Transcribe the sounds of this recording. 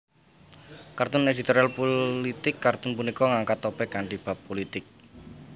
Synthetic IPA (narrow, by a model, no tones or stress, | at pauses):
kart̪ʊned̪it̪oɾalpolit̪ɪkːart̪ʊnpunikɔŋaŋkat̪ːopɛkaɳɖib̥a̤pːolit̪ɪk̚